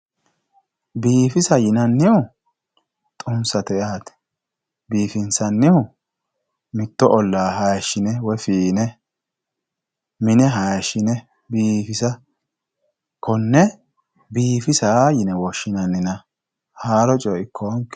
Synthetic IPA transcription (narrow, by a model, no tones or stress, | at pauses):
biːfɪsɐjɪnɐnːɪʊ | t̪ʼʊmsɐt̪ɛjaːt̪ɛ̥ | biːfɪnsɐnːɪʊ | mɪt̪ːɔʔɔlːaːɦɐjɐʃɪnɛwɔfiːnɛ | mɪnɛɦɐjɐʃɪnɛ | biːfɪsɐ | kɔnːɛ | biːfɪsaːjɪnɛwɔʃːɪnɐnːɪnɐ | haːɾɔt͡ʃʼɔɪkːɔɔŋk